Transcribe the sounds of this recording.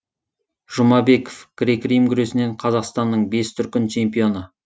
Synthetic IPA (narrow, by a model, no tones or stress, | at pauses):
ʒʊmɑbe̞ko̥fɡ̥rʲekʲrijmɡʲʏɾe̞sɪne̞ɴqʰɑzɑqst̪ɑnːəɴbe̞st̪ʰʏɾkʲɪnt͡ʃʰe̞mpijo̞nə